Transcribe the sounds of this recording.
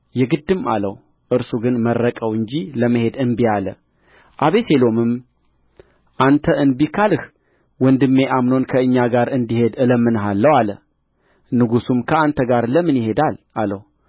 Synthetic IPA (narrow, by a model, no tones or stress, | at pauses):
jɛɡɨd̪ːɨma̰ləw | ʔɨɾsuɡɨnmərːəkʼəwɨɲd͡ʒiləməɦe̞d̪ɨnbialə | ʔaβe̞se̞lo̞mɨm | ʔant̪ʰəʔɨnbikʰalɨh | wɔnd̪ɨmːe̞ʔamno̞nkʰəɨɲːaɡaɾɨnd̪ihe̞d̪ɨləmːɨnɦalːəwalə | nɨɡusumkʰəant̪ʰəɡaɾləmːɨnjɪhe̞d̪al | alə̰w